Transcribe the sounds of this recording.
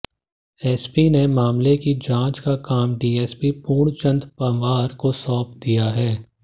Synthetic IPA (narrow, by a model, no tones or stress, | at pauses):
ɛːspinemaːmlekid͡ʒãːt͡ʃkakaːmɖiːɛːspipuːɳt͡ʃə̃nd̪pɐʋaːɾkosɔːpd̪ijaɦɛː